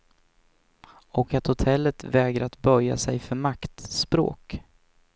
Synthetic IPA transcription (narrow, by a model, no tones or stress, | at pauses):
ɔkat̪hʊt̪ʰɛlːət̪vɛːɡɾəat̪bœɾja̰sɛjfœɾmakt̪spɾo̰ːk